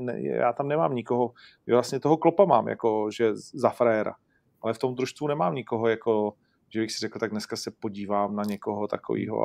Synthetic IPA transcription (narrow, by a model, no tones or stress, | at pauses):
nɛ̰jɛ̰ja̰ːt̪amnɛmaːmɲɪkoɦo̞ʒɛvlastɲɛt̪oɦoklopamaːmja̰ko̞ʒɛzafɾɛːɾa̰ | ʔalɛft̪o̞md̪ɾuʃst̪vunɛmaːmɲɪkoɦojako̞ | ʒ̥ɛbɪxsɪɾɛkl̩t̪aɡ̚dnɛskasɛpo̞ɟiːvaːmnaɲɛko̞ɦot̪ako̰vḭːɦo̰